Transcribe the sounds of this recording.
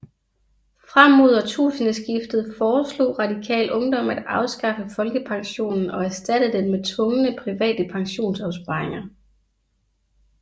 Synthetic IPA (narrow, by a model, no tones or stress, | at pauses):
fʁam̰o̝ð̞̰ˠɐt͡sʰṵːsənəsɡ̥ifd̥ð̩ˠfɒːslo̝̰ːʁɑ̈dikʰɛ̰ːlʔɔ̽ŋd̥ɒ̽m̰æd̥ɑ̈ʊsɡ̥ɑ̈fəfɒ̽lɡ̥əpʰɑ̈ŋɕo̝̰ːnn̩ɒ̽æɐsd̥æd̥ðd̥emmet͡sʰʋɔ̽ŋənəpʰʁiʋɛ̰ːd̥əpʰɑ̈ŋɕo̝̰ːnsɑ̈ʊspɑ̈eŋɐ